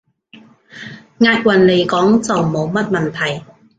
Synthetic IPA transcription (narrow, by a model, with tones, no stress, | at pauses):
ŋaː˧t̚wɐ˨˩nle˨˩jkɔː˨˥ŋt͡sɐ˨wmo˨˧wmɐ˥t̚mɐ˨˩nt̪ʰɐ˨˩j